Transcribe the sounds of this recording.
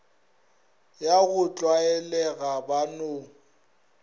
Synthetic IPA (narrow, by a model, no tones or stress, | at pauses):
jaɣʊt͡ɬʼwaɛlɛɣabano